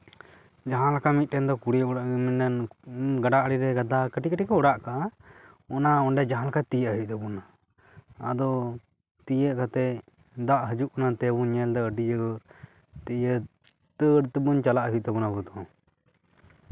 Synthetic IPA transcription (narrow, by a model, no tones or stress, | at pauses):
d͡ʒaɦãlakamit̪̚ˀʈɛnd̪ɔkuɽiɔɽaʔɡəminanɡaɖaʔɽiɾɛɡad̪akəʈikəʈikɔɔɽaʔka | ɔnaɔɳɖɛd͡ʒaɦãlakʰat̪ijəʔɦuʔ̚t̪bɔnaː | d̪ɔ | t̪ijəʔkat̪ɛ | d̪aʔɦəd͡ʒuʔɔnat̪ɛbuɛld̪ɔəɖid͡ʒəɡə | t̪ɛə | t̪əɽt̪əbunt͡ʃalaʔɦuʔ̚t̪ɛbɔnabut̪ɔ̃